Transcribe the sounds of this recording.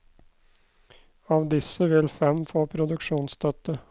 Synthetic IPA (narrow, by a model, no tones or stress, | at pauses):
ɑːʋd̪ɪsəʋɪlfɛmfoːpʰɾʊd̪ʉkʂuːnst̪ʰœt̪ə